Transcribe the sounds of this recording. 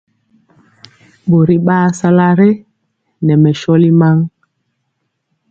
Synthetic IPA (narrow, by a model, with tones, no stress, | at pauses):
ɓo˨ɾi˦ɓaː˦sa˦la˦ɾɛ˦ | nɛ˨mɛ˨ʃɔ˦li˦ma˦ŋ